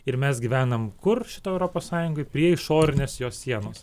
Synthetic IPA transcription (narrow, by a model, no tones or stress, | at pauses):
ɪɾmʲɛsɡʲiʋʲæːnɐmkʊrʃʲɪt̪oːɛʊɾoːpoːssɑːjʊŋɡoɪpʲɾʲiɛɪʃoːɾʲɪnʲeːsjoːssʲiɛnoːs